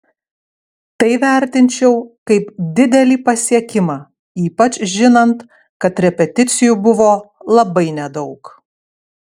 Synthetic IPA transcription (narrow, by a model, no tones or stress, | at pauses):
t̪ɐɪʋʲæˑɾʲt̪ʲɪnʲt͡ʃʲɛʊkɐɪpd̪ʲɪd̪ʲɛlʲiːpɐsʲiɛkʲɪmɑː | iːpɐt͡ʃʲʒʲɪnɐnt̪ | kɐt̪ɾʲɛpʲɛt̪ʲɪt̪sʲɪjubʊʋoːlˠɐbɐɪnʲɛd̪ɒʊk